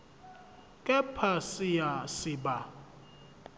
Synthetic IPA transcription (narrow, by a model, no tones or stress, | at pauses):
kʼɛpʰasijasiba